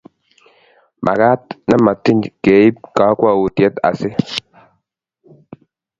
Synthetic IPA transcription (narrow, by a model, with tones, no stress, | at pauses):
mʔa̰˨ka˦t̚na˦ma˨ti˦ɲke˨i˦p̚ka˨˦kwa˦˨wo˨tjɛ˦ta̰˨sɪ˦